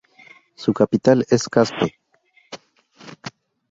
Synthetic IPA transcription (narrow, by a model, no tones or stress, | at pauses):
sukapit̪aleskaspo